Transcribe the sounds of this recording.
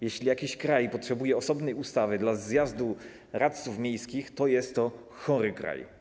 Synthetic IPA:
jɛɕlʲijakʲiɕkɾajpɔtʂɛbujɛɔsɔbnɛjust̪avɘd̪lazjazd̪u | ɾʔat̪sufmʲjejskʲixt̪ɔjɛst̪ːɔ | xɔɾɘkɾa̰j

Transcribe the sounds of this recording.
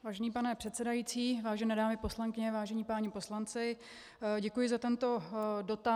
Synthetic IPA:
vaːʒɛniːpanɛpr̥ɛt̪sɛdajiːt͡siːvaːʒɛnɛːdaːmɪposlaŋkɪɲɛvaːʒɛɲiːpaːɲɪposlant͡sɪ | ɟɛkujɪzat̪ɛnt̪o̞do̞t̪a

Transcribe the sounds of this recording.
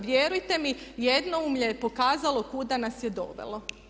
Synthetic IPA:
ʋjeɾujt̪e̞mijed̪no̞umʎejepo̞kaːzalˠo̞kud̪anasjed̪o̞̰ʋḛlˠo̞

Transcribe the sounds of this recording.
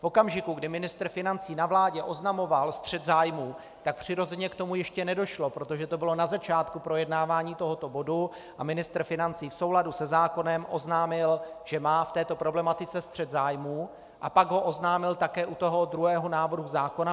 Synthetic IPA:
fʔo̞kamʒɪkuɡdɪmɪnɪst̪r̩fɪnant͡siːnavlaːɟɛʔo̞znamo̞valst̪r̝̥ɛt̪zaːjmuː | t̪ak̚pr̝̥ɪɾo̞zɛɲɛkt̪o̞mujɛʃcɛnɛdo̞ʃlo̞pɾo̞t̪o̞ʒɛt̪o̞bɪlo̞nazat͡ʃaːt̪kupɾo̞jɛdnaːvaːɲiːt̪o̞ɦo̞t̪o̞bo̞du | ʔamɪnɪst̪ɾ̩fɪnant͡siːfso̞wladusɛzaːko̞nɛmʔo̞znaːmɪl | ʒ̥ɛmaːft̪ɛːt̪o̞pɾo̞blɛmat̪ɪt͡sɛst̪r̝̥ɛd̪zaːjmuː | ʔapaɡɦo̞ʔo̞znaːmɪlt̪akɛːʔut̪o̞ɦo̞d̪ɾuɦɛːɦonaːvr̩ɦuzaːko̞na

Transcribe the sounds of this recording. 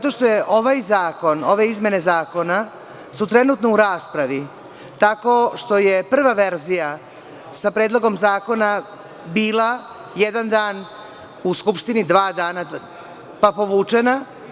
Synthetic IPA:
at̪o̞ʃt̪o̞jeʔo̞ʋajzaːko̞no̞ʋe̞izmʲje̞ne̞zaːko̞na | sut̪ɾe̞nuːt̪no̞uɾaːspɾaʋi | t̪ako̞ʃt̪o̞je̞pr̩ʋaʋe̞ɾzija | sapɾeːd̪lˠo̞ɡo̞mzaːko̞na | biːlˠa | jed̪and̪aːn | uskupʃt̪inid̪ʋaːd̪aːna | papo̞ʋuːt͡ʂe̞na

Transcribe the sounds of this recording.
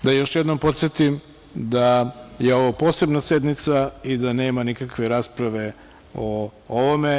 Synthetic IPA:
d̪ajo̞ʃjɛd̪no̞mpo̞t̪sjet̪im | d̪ajeo̞ʋopo̞ːse̞bnased̪nit̪said̪aneːmanikakʋeɾaːspɾaʋe̞ | ooʋome

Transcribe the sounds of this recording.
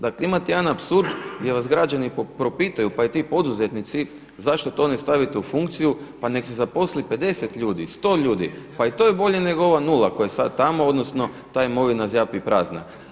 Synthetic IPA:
d̪akleimat̪ianapsuɾd̪ɡd̪ʲjeʋazɡɾad͡ʑanipɾo̞piːt̪ajupait̪iːpo̞d̪uze̞t̪nit̪si | zaʃt̪ot̪o̞ne̞st̪aʋit̪eufuŋkt̪sijupane̞ksezapo̞slipe̞d̪e̞set̪ʎʲuːd̪ist̪o̞ːʎuːd̪ipait̪o̞jeboʎe̞ne̞ɡoo̞ʋanulˠakojesad̪t̪amoo̞d̪no̞sno̞ | t̪aːjimo̞ʋinazjapipɾaːzna̰

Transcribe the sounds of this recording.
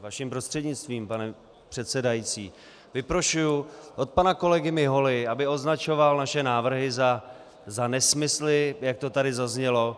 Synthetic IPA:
vaʃimpɾost̪r̝̥ɛdɲɪt͡st̪viːmpanɛ | pr̥ɛt̪sɛdajiːt͡sḭː | vɪpɾoʃujuʔo̞t̪̚panako̞lɛɡɪmɪɦo̞lɪabɪo̞znat͡ʃo̞valnaʃɛnaːvr̩ɦɪza | zanɛsmɪslɪjak̚t̪o̞t̪adɪzazɲɛlo̞

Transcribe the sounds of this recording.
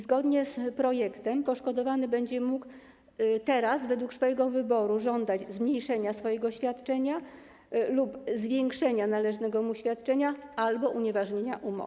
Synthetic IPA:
zɡɔd̪ɲɛspɾɔjɛkt̪ɛmpɔʂkɔd̪ɔvanɘbɛɲd͡ʑɛmuk | t̪ɛɾasvɛd̪wuksfɔjɛɡɔvɘbɔɾuʐɔnd̪ad͡ʑzmɲejʂɛɲasfɔjɛɡɔɕfʲjat̪t͡ʂɛɲa | lupzvʲjɛŋkʂɛɲanalɛʐnɛɡɔmuɕfʲjat̪t͡ʂɛɲaalbɔʔuɲɛvaʐɲeɲaʔumɔ̰

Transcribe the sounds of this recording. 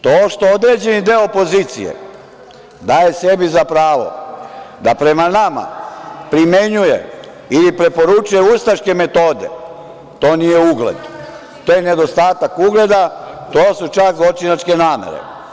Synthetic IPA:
t̪oːʃt̪o̞od̪ɾe̞ːd͡ʑe̞nid̪e̞oopo̞ziːt̪sḭjḛ | d̪aːje̞sebizapɾaːʋo̞̰d̪apɾe̞manama̰pɾime̞ɲujḛ | ilipɾe̞po̞ɾut͡ʃuje̞ust̪aʃke̞me̞t̪o̞ːd̪e̞̰ | t̪o̞ːnijeuɡlḛd̪ | t̪oːjene̞d̪o̞st̪aːt̪akuɡle̞d̪at̪oːsut͡ʃakzlˠot͡ʃinat͡ʃke̞naːme̞̰ɾḛ

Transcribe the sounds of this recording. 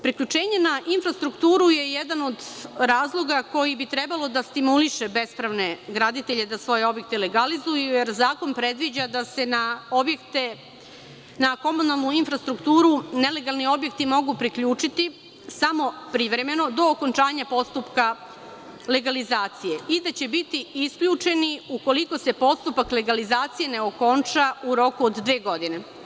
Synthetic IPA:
pɾikʎut͡ʃe̞ːɲe̞naʔinfɾast̪ɾukt̪uːɾuje̞jed̪ano̞d̪ɾaːzlˠo̞ɡako̞jibit̪ɾebalo̞d̪ast̪imuliʃe̞be̞spɾaʋne̞ɡɾad̪it̪e̞ʎe̞d̪asʋo̞je̞o̞bjek̚t̪eleɡalizujujeɾzaːko̞npɾe̞d̪ʋid͡ʑad̪ase̞naobjekt̪e | nako̞munalˠnuinfɾast̪ɾukt̪uːɾune̞le̞ɡalˠnio̞bjek̚t̪imo̞ɡupɾikʎuːt͡ʂit̪i | samo̞pɾiʋɾe̞me̞no̞d̪o̞ːko̞nt͡ʃaːɲapo̞st̪upka | le̞ɡalizaːt̪sije̞id̪at͡ɕe̞bit̪iiskʎuːt͡ʃe̞niuko̞liko̞se̞po̞st̪upakle̞ɡalizaːt̪sije̞ne̞oko̞nt͡ʃauɾo̞kuod̪ːʋe̞ːɡo̞d̪ine̞

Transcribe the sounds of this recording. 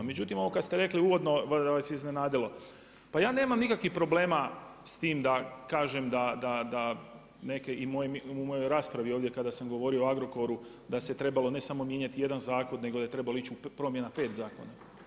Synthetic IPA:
me̞d͡ʑut̪imo̞ʋo̞kad̪st̪e̞ɾe̞kliuʋo̞d̪no̞ʋad̪ʋaseiznenaːd̪ilo̞ | pajaːne̞ːmamnikakʋihpɾo̞ble̞ːmast̪iːmd̪akaːʒemd̪ad̪ad̪a | ne̞keʔimojemumojo̞jɾaːspɾaʋio̞ːʋdje̞kad̪asamɡo̞ʋo̞ɾio̞aɡɾo̞ko̞ɾu | d̪ase̞t̪ɾe̞balo̞ne̞samo̞mje̞ɲat̪ije̞d̪anzaːko̞nːe̞ɡo̞d̪aje̞t̪ɾe̞balo̞it͡ʃupɾo̞mjenape̞ːt̪zaːko̞̰na

